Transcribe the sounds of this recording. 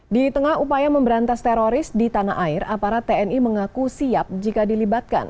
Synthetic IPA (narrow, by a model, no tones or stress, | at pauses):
dit̪əŋahupajaməmbəɾant̪ast̪ɛɾoɾɪsdit̪ana̰aɪɾapaɾat̪ːeɛniməŋakusiap̚d͡ʒikadilibat̪̚ka̰n